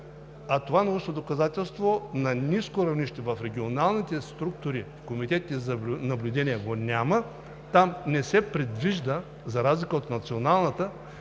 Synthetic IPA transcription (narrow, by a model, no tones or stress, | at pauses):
ɐt̪ovanɐuʃt̪od̪okɐzat̪ɛlˠst̪vonɐniskoɾɐvniʃt̪ɛvɐfɾɛɡʲionalˠnit̪ɛst̪ɾuk̚t̪ʊɾifkomit̪ɛt̪it̪ɛzɐbʲnɐblʲʊd̪ɛnijɛɡonʲamə | t̪amnɛsɛpɾɛd̪viʒd̪ə | zɐɾazlʲikəot̪nɐt̪sionalˠnət̪ə